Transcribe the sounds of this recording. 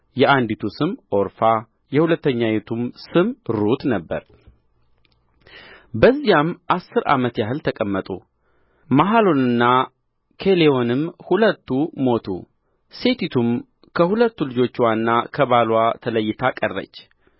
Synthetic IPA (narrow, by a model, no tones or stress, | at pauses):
jɛʔand̪it̪ʰusɨmʔo̞ɾfa | jɛhulət̪ːəɲːajet̪ʰumsɨmɾɾut̪nəbːə̰ɾ | bəzːijamʔasːɨɾa̰mət̪jaɦɨlt̪ʰəkʼəmːət̪ʼṵ | maɦalo̞nɨnːa | kʰe̞leo̞nɨmhulət̪ːumo̞t̪ʰṵ | se̞t̪ʰit̪ʰum | kʰəhulət̪ːulɨd͡ʒo̞t͡ʃːwanːakʰəβalwat̪ʰələjːɪt̪ʰakʼərːə̰t͡ʃː